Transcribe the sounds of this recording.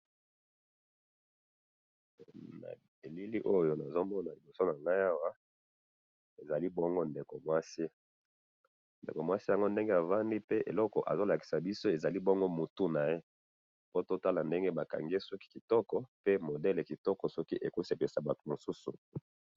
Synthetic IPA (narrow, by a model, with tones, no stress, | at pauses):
na̰˨ | e˨li˦li˦ʔo˦jo˦na˨zo˦mɔ˦na˨li˨bo˨so˦na˨ŋɡa˦ja˦wa˦ | e˨za˨li˦bɔ˦ŋɡo˦nde˨ko˨mwa˦si˦ | ndḛ˨ko˨mwa˦si˦ja˨ŋɡo˦nde˦ŋɡe˦a˨va˦ndi˦pe˦ʔḛ˨lɔ˦kɔ̰˨ʔa̰˨zo˦la˨ki̥˨sa˨bi˦so˦e˨za˨li˦bɔ˦ŋɡo˦mu˨tu˦na˨je˦ | po˦to˦ta˦la˨nde˦ŋɡe˦ba˨ka̰˨ŋɡe˦sɔ˦ki̥˦ki˨tɔ˦kɔ˨pe˦mo˨dɛ˦le˨ki˨tɔ˦kɔ˨sɔ˦ki˦ʔe˨ku˦se˨pe˨sa˨ba˨tu˨mo˨su˦sṵ˨